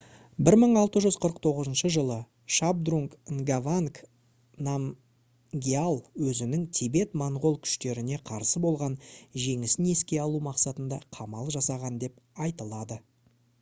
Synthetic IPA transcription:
bɪɾməɴɑlˠt̪əʒʏz̥qʰəɾəq̚t̪ʰo̞ʁəzənʃəʒəlˠə | ʃab̚d̪ruŋkŋɡavaŋk | nam | ɡʲialˠwɵzɪnɪŋt̪ʲʰebe̞t̪moɴʁo̞lˠkʲʰʏ̥ʃt̪e̞ɾɪne̞qʰɑɾsəbo̞lˠʁɑnʒe̞ŋɪsɪne̞skʲe̞ɑlˠumɑqsɑt̪ənd̪ɑqʰɑmɑlˠʒɑsɑʁɑnd̪e̞p | ɑjt̪əlˠɑd̪ə

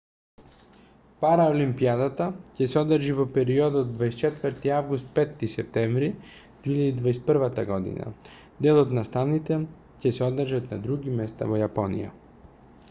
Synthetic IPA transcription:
paɾaolimpiad̪at̪acɛsɛɔd̪əɾʒivopɛɾiɔd̪aod̪vajst͡ʃɛt̪vəɾt̪iavɡust̪̚pɛt̪ːisɛp̚t̪ɛɱvɾi | d̪̥viiʎad̪id̪vajs̚pəɾvat̪aɡɔd̪ḭna̰ | d̪ɛlˠot̪nast̪avnit̪ɛ | cɛsɛɔd̪əɾʒat̪nad̪ɾuɡimɛst̪a̰vojapɔnḭja̰

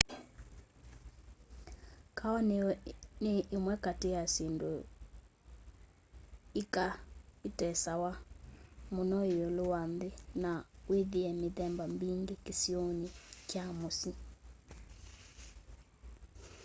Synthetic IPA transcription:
kʰawɔnneʔːmwɛkatejasindo | ikaitɛsawa | monɔiolowanðenaweðiɛmeðɛmbambiŋɡekesionikjamosi

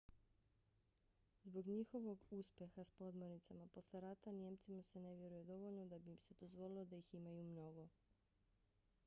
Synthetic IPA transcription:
zbo̞ɡɲixo̞ʋo̞ɡuspʲje̞xaspo̞d̪mo̞ɾnit̪samapo̞slʲeɾat̪anje̞mt̪simase̞ne̞ʋje̞ɾujed̪o̞ʋo̞ʎno̞d̪abimse̞d̪o̞zʋo̞lilod̪ajiximajumno̞ɡo̞

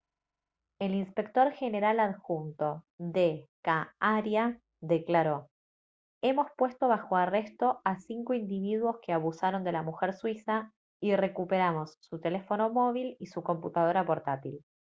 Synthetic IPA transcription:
e̞linspe̞k̚t̪o̞ɾxe̞ne̞ɾalaðxunt̪o̞ðekaaɾja | ðe̞klaɾo̞ | e̞mo̞spwe̞st̪o̞βaxo̞are̞st̪o̞asiŋkoind̪iβ̞iðwo̞skeaβusaɾo̞nd̪e̞lamuxeɾswisa | ire̞kupe̞ɾamo̞sːut̪e̞le̞fo̞nomo̞β̞ilisuko̞mput̪að̞o̞ɾapo̞ɾt̪at̪il

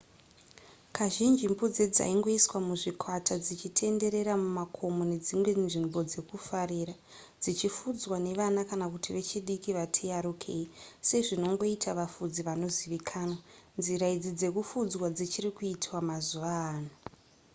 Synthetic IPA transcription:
kʰaʒind͡ʒimbud͡zed͡za̰iŋɡo̞iswamuʐikwatad͡zit͡ʃitʰe̞nde̞ɾe̞ɾamumakʰo̞mone̞d͡zimwe̞ʐimbo̞d͡ze̞kufaɾiːɾa | d͡zit͡ʃifud͡zwane̞ʋanakanakutiʋe̞t͡ʃiɗikiʋatʰejaɾukʰeise̞ʐino̞ŋɡo̞itʰaʋafud͡ziʋano̞ziʋikʰaːnwanziɾaid͡zid͡ze̞kufud͡zwad͡zit͡ʃirikuitwamazuʋaːnu

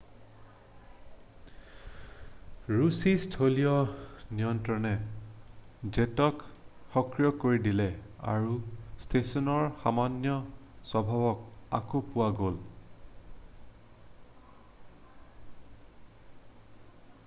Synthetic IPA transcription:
ɹusistʰolijɔnijɔntɹɔnɛ | zɛtɔkxɔkɹijɔkoɹidilɛa̰ɹustʰesɔnɔɹxa̰manjɔsɔbʱabɔk̚a̰kopʊwaɡol

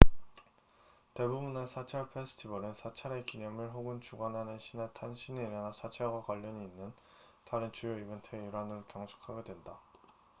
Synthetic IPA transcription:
te̞bubunesʰat͡ɕʰaɭpʰesʰɯ̥tʰibʌɾɯnsʰat͡ɕʰaɾekiɲʌmɯɭɸoɡɯnt͡ɕuɡanɦanɯnɕʰinatʰanɕʰineiɾanasʰat͡ɕʰaɭɡwakwaʎːʌɲiːnːɯn | taɾɯnt͡ɕujoibɯntʰeiɾanɯɭkjʌŋt͡ɕʰu̥kʰaɡe̞dwenda

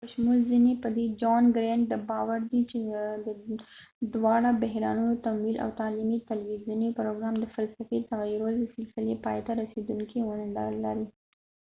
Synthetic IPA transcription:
pəʃmulzinepəd̪ed͡ʒɑnɡɾɛɳɖ̚d̪əbɑwaɾd̪it͡ʃed̪ə | d̪wɑɽabaɦɾɑ̰nunot̪amwila̰wt̪ɑlimit̪alwizunepɾoɡɾɑmd̪əfalsafet̪aɣɾold̪əsɪlsɪlepɑ̰jt̪aɾased̪uŋkewanəla̰lːaɾi

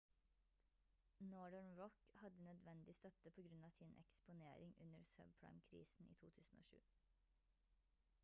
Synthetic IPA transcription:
nɔːɖəɳɹɔkhɑd̪ənœd̪ʋɛnd̪ɪst̪œt̪əpʰoːɡɾʉnɑːsɪnʔɛ̰kspʊnḛːɾɪŋʉnəɾsœ̰ːbpʰɹa̰ɪmkʰɾḭːsn̩ʔḭːt̪ʰuːt̪ʰʉːsn̩o̰ːʃʉ̰ː

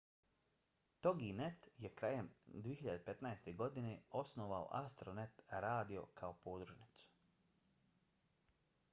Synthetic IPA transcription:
t̪o̞ɡinet̪jekɾaːjemd̪ʋijeçiʎad̪epe̞t̪najst̪e̞ɡo̞d̪ineo̞snoʋao̰ʔa̰st̪ɾonet̪ɾaːd̪io̞̰kʰaopo̞ːd̪ɾuʒnit̪su̥

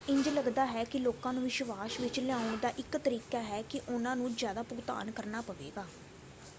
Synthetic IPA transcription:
ɪ̃ɲd͡ʒləɡd̪aːɦɛːkɪloːkãːnũːʋɪʃʋaːsʋɪt͡ʃlɛãːʊɳd̪aːʔɪkt̪əɾiːkaːɦɛːkɪʔʊnãːnũːd͡ʒjaːd̪aːpʊɡt̪a̰ːnkəɾnaːpəʋḛːɡaː

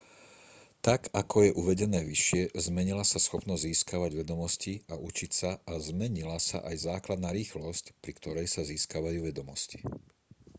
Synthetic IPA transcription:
t̪akakʰɔjɛʔuʋɛɟɛnɛːʋiʃɪɛzmɛɲilasasxɔpnɔzɟziːskaʋaɟʋɛd̪ɔmɔsciaʔut͡ʃicsaːzmɛɲilasa̰ʔajzaːklad̪naːɾiːxlɔscpɾikt̪ɔɾɛjsaziːskaʋajuːʋɛd̪ɔmɔsci̥

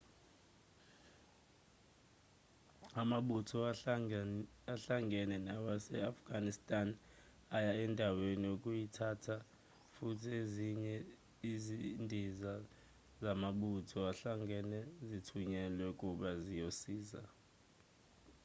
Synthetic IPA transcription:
amaɓutʰɔ | aɬaŋɡʱɛnɛnawasɛafɡ̥ʱanistʼan | ajaɛndʱaweniokʼujitʰatʰa | futʰieziɲɛ | izindʱiza | zamaɓutʰɔaɬaŋɛnɛzitʰuɲɛlwɛkʼuɓazijosiːza̰

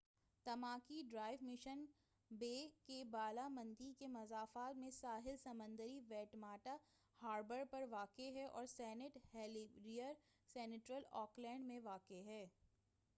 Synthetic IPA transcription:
t̪ɐmaːkiɖɾaːɪʋmɪʃən | beːkebaːlamɐ̃nd̪ikemɐzaːfaːt̪mẽsaːɦɪlsɐmə̃nd̪əɾiʋɛːʈmaːʈa | haːɾbəɾpɐɾʋaːkeɦɛʔɔ̰ːɾsɛːnɪʈhɛːlɾijəɾ | sɛːnɪʈɾəlɔːklɛ̃ːɳɖmẽʋaːkeɦɛː

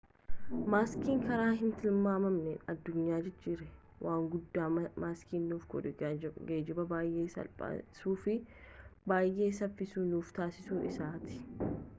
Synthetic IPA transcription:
maːskiːŋkɐɾaːɦɪnt̪ɪlmaːmɐmnenɐd̪ːʊɲːaːd͡ʒɛd͡ʒːiːɾɛ | wʔaːŋɡʊd̪ːaːmaːskiːnːuːfɡɔ̰ɛɡeːd͡ʒɪbɐbaːjʔeːsɐ̰lpʼɐ̰suːfɪbaːjʔe̞ːsɐfːɪsuːnuːft̪aːsɪsuːnɪsaːt̪ɪ̥

